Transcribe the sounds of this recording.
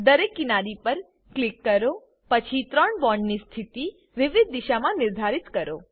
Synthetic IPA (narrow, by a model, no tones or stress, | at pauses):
d̪əɾekːinaɾipəɾ | klikːəɾo | pət͡ʃʰit̪ɾəɳbɔɳɖnist̪ʰit̪i | ʋɪʋid̪̚ːiʃamãnɪɾd̪ʱaɾit̪kəɾo̰